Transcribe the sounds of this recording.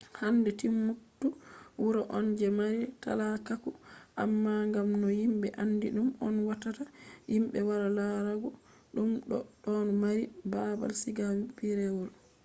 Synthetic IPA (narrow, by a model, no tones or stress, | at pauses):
handɛtimːutːuwuɾaʔɔnd͡ʒɛmaɾita̰lakakuʔamːaŋɡamnɔjimɓɛʔandiɗumɔnwatatajimɓɛwaɾalaɾaɡɔ | ɗumɗɔɗɔnɔmaɾibaba̰lsiɡawbiɾɛwɔl